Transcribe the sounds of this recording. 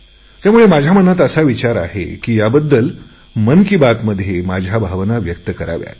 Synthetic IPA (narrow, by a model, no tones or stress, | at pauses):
t̪jamuɭemad͡ʑʱjamənat̪̬əsaʋit͡ɕaɾa̰ɦḛkiːjabəd̪ːəl | mənkibat̪məd̪ʱːjemad͡ʑʱjabʱaʋnaʋjək̚t̪əkəɾa̰ʋja̰t̪